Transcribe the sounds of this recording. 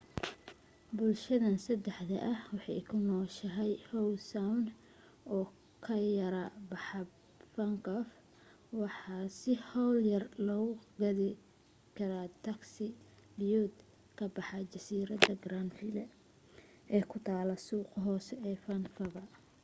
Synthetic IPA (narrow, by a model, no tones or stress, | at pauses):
bʊlʃɐðɐnsɐd̪ɛħd̪ɐ̰ʔɐhwɑħɑ̰ːkʰʊnɔːʃɐɦɛjhɔwlsawn | ʔɔː | kʰɐjɐɾɐbɑħɑ | fɐŋkɔf | wɑħɑːsɪhɔwljɐrlɔːɣʊɡɐðɪ | kʰɐɾaːt̪ʰɐksɪ | bjuːd̪ | kʰɐbɑħɑt͡ʃɐsiːɾɐd̪ɐɡraːnfɪlɛ | ʔɛːkʰʊt̪ʰaːlɐsuːqɦɔːsɛɛːfɐnfɐβɐ